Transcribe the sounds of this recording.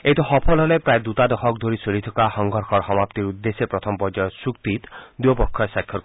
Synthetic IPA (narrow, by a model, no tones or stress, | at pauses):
et̪ɔxɔpʰɔlɦɔlepɾajd̪ut̪ad̪ɔxɔk̚d̪ʱoɾisolit̪ʰɔkaxɔŋɡʱɔɾxʰɔɾxɔmapt̪iɾud̪ːesepɾɔt̪ʰɔmpɔd͡ʒɔjɔsukt̪it̪d̪uɔpɔkʰːɔjsakʰːjɔ